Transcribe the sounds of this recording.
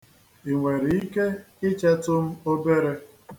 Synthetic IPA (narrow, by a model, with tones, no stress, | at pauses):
i˨ŋʷe˨ɾi˨i˦ke˦ | ɪ˦t͡ʃa˦tʊ˦m̩˦o˦be˦ɾe˦